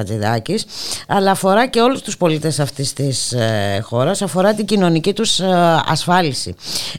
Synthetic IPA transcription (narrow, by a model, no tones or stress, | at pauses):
ɐt̪iðɐcisɐlɐːfo̞ɾɐce̞o̞lust̪uspo̞lit̪e̞sɐft̪ist̪isxo̞ɾɐsɐfo̞ɾɐt̪iɟino̞nicit̪usɐ̰sfɐlisḭ